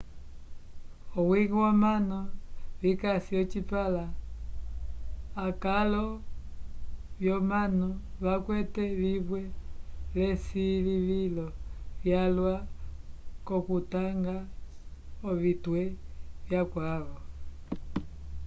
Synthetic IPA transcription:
ɔwiɣwɔmanɔβikasiɔt͡ʃipala | kalɔ | βjɔmanɔβakwɛtɛβiβwɛlɛsiβiβilɔβjalwa | kɔkutaŋɡa | ɔβitwɛβjakwaβɔ

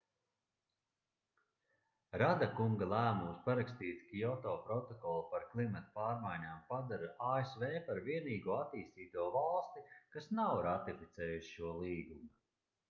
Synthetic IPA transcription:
ɾad̪akuŋɡalˠæːmumspaɾakst̪iːt̪kiɔt̪ɔːpɾɔt̪ɔkɔlˠpaɾklˠimat̪paːɾmajɲaːmpad̪aɾaaːesveːpaɾviɛniːɡuɔat̪iːst̪iːt̪uɔvalˠst̪ikasnawɾat̪ifit̪sɛːjuʃi̥ʃuɔlˠiːɡumu

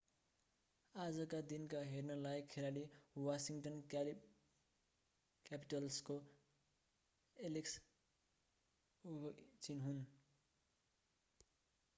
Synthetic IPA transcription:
ad͡zʌkad̪inkaɦernʌlajkʰːeɾaliwasiŋʈʌn | kapiʈʌlsko | eleks | t͡sinɦun

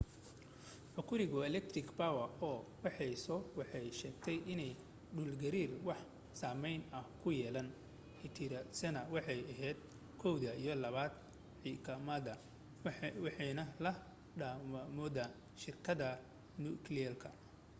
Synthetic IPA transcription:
ħʊkʰʊɾɪɣʊɛlɛk̚t̪ɾɪkbawɐɔːwɑħɛjsɔwɑħɑjʃɛːɡt̪ʰɛjʔɪnɛj | ɖuːlɡɐɾiːrwɑħ | saːmɛjnɐhkʰʊjɛːlɐn | ɪt̪ʰɪɾɐsɐnɐwɑħɑjɐɦɛːd̪ | kʰɔwðɐijɔlɐβaːd̪ | ħikʰɐmɐdɐ | wħnɐlɐ | ɖammɔːðaː | ʃɪrkʰɐðɐ | nuːkʰliɐlkʰɐ

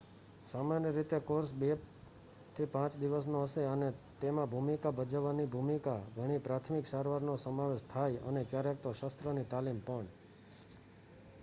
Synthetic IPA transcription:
samanjəɾit̪ekoɾsbe | t̪ʰipãt͡ʃd̪iʋəs̬noɦəseənet̪emãbʱumikabəd͡ʒəʋːanibʱumikaɡʱəɽ̃ipɾat̪ʰmiksaɾʋaɾnosəmaʋeʃt̪ʰajənekjaɾek̚t̪oʃəst̪ɾənit̪alimpəɳ

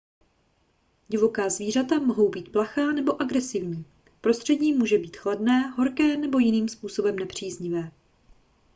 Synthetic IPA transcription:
ɟɪvo̞kaːzviːr̝at̪amo̞ɦo̞wbiːt̪̚plaxaːnɛbo̞ʔaɡɾɛsɪvɲiː | pɾo̞st̪r̥ɛɟɲiːmuːʒɛbiːt̪xladnɛːɦo̞ɾkɛːnɛbo̞jɪniːmspuːso̞bɛmnɛpr̝̥iːzɲɪvɛː

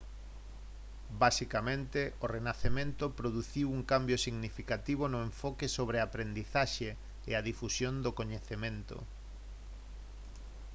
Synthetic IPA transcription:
basikamẽnt̪eorenaθemẽnt̪ʊpɾoðuθiwuŋkambjosiɣnifikat̪iβ̞onʊẽɱfɔkesoβ̞ɾeapɾend̪iθaʃeː | aðifusjond̪okoɲeθemẽnt̪o̰

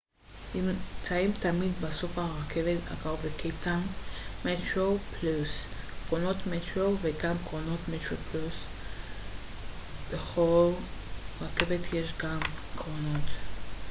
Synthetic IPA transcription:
ʔimt͡saimtamid̪baso̞fhaʁakeveta̰kavekʰetanmetʁopluskʁono̞tmetʁoveɡamkʁono̞tmetʁoplus | beχo̞lʁake̞vetjeʃɡamkʁonot

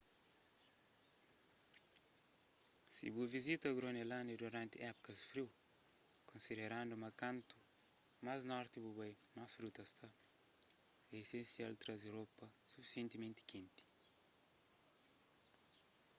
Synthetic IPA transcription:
sḭbuvizit̪əɡɾonelaniɾiaɾant̪iʔapu̥kəzi̥fɾiw | konsid̪eɾaɳɖ͡ʐumakant̪u̥ | mazinɔɾt̪ibubaj | nasuɾut̪ast̪a | esensialut̪ɾazewɾopəsufi̥sent̪imẽnt̪i̥kʰent̪i̥

